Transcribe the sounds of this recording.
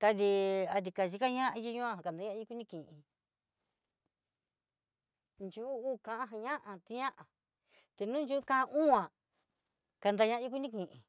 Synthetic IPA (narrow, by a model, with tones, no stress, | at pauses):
t̪a˧ði˧a˧t̪i˧ka˨t͡ʃi˧ka˦ɲã˦ʔa˧ji˦ɲũ˦ã˧a˨a˨nd̪a˧˦ã˦i˦ku˦nĩ˦˧kĩ˨ʔĩ˧ | nt͡ʃu˦u˦kã˧ʔã˦ɦã˧ɲã˦ʔã˧˨t̪i˧ɲã˦ʔa˨ | t̪i˧nũ˦n˦d͡ʒu˦kã˧ʔʔũ˦ã˨ | ka˧nd̪a˧ɲã˧a˦i˦k̬u˦nĩ˦˧kĩ˨ʔĩ˨